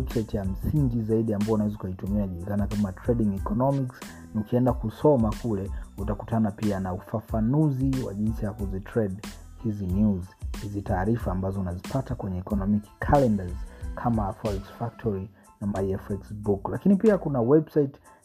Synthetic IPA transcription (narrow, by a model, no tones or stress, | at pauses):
ɛbsaitjam̩siŋɡizaiɗiambaɔunawɛzukaitumianʄuɾikanakamatɾɛɗiŋɛkɔnɔmiks | nukiɛndakusɔmakulɛutakutanapianaufafanuziwa̰ʄinsijakuzitɾɛɗ | hizinuzhizitaːɾifaːmbazɔunazipʰatakwɛɲɛɛkɔnɔmikkʰalɛndazkʰamaːfɔiksfak̚tʰɔɾi | namaiɛfɛksbuklakinipiakunawɛbsait